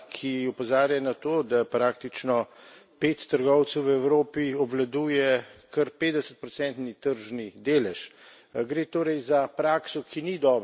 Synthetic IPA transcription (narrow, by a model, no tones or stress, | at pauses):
kʰiɔpɔzaːɾjanat̪oːd̪apɾaːk̚t̪it͡ʃnɔpeːt̪ːəɾɡɔwt̪səwʋɛwɾoːpiɔblad̪uːjɛkəɾpeːd̪d̪ɛsə̥t̪̚pɾɔsɛnt̪nit̪əɾʒnid̪eːlɛʃ | ɡɾeːt̪oːɾɛjzapɾaːksɔkʰinid̪ɔːb